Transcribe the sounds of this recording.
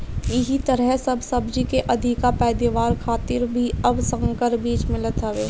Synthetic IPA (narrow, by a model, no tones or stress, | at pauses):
jɪɦit̪ɐɾəɦsɐbsɐbd͡ʒikeʔɐd̪ʱɪkapɛːd̪eʋaːɾkʰaːt̪ɪɾbʱiɐbsə̃ŋkəɾbiːt͡ʃmɪ̃lət̪ɦɐʋeː